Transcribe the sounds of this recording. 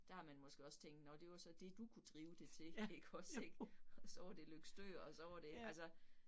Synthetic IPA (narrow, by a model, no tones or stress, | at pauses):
d̥æ̈hɑ̈mænmɒ̽sɡ̥e̝ɒ̽st͡sʰeŋ̰d̥nɒd̥e̝ʋɑsɒ̽d̥e̝d̥ukʰud̥ʁiːʊd̥e̝t͡sʰe̝iɡ̥ɒdseɡ̥ɒsɒʊ̰ɐd̥e̝løɡ̥sd̥øɐɒ̽sɒʊɐd̥e̝ɡ̥ælsɐ